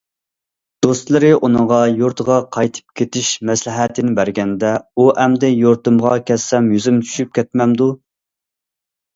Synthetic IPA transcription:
d̪̥ost̪lˠɨɾɨʔunɨŋʁɑjoɾt̪ʰəʁɑqʰɑjt̪ʰɨ̥p̚kʲʰet̪ʰɪʃmɛslɪɦɛt̪ʰɪnɪbæɾɡʲɛnd̪ɛuʔɛmd̪ɛjoɾt̪ɨmʁɑkʲʰɛsːɛmjyzymt͡ʃʰy̥ʃyp̚kʲʰɛt̪̚mɛmd̪u

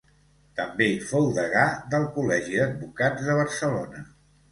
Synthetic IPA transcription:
t̪əmbeifowðəɣaðəlˠkulɛʒiðəd̪̚bukad͡zðəβ̞əɾsəlonə

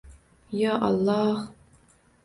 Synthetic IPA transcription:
jaːʔɑ̰lːɑːh

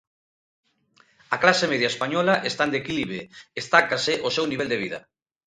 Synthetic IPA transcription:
aklasemeðjaespaɲɔlaʔest̪and̪ekiliβeest̪akasɪʔosewniβeld̪eβ̞iðɐ̰

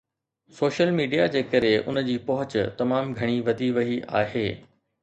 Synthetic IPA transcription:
soːʃəlmiːɖijad͡ʑeːkɐɾeʔʊ̰nəd͡ʑiːpɐɦʊt͡ɕt̪ɐmaːmɡʱɐɽ̃iʋɐd̪ʱiʋɐɦia̰ːɦeː

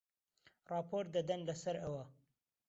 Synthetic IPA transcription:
rɑːpʰoːɾt̪̚d̪ɐd̪ɐnlɐsɐɾɐwɐ

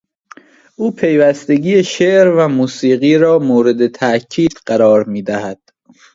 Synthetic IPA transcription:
ʔuːpʰe̞jvæst̪e̞ɟiːjeʃeʔɾvæmuːsiːɢiːɾɒːmoːɾe̞d̪et̪ʰæʔcʰiːd̪̥ɢæɾɒːɾmiːd̪æhæd̪̥

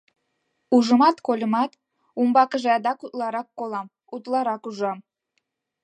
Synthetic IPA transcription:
uʒəmɑt̪kolʲə̆mɑt̪ | umbɑkəʒeɑd̪ɑkut̪lɑɾɑkːolɑm | ut̪lɑɾɑkuʒɑm

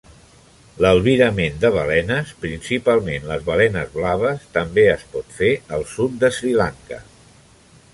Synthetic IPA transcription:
ləlˠβiɾəmend̪əβəlɛnəspɾinsipalˠmenləzβəlɛnəzβlaβ̞əst̪əmbeəspɔt̪feəlˠsut̪̚d̪əsɾilaŋkə̰

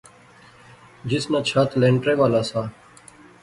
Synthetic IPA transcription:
d͡ʒɪsnaːt͡ʃʰaːt̪ʰlẽːɳʈɾeːʋaːlaːsaː

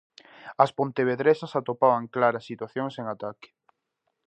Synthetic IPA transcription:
ɐspont̪eβ̞eðɾesasat̪opaβ̞aŋklaɾasːit̪waθjoŋseŋat̪akɪ̥

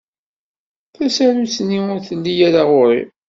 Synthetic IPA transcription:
θæsæɾusniʊɾθəlːijæɾaʁʊɾḭ

